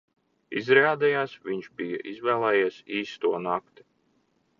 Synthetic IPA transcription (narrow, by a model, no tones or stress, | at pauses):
izɾaːd̪ɛjaːsviɲʃbija̰ʔizvæːlˠɛjeːsiːst̪uɔnakt̪i̥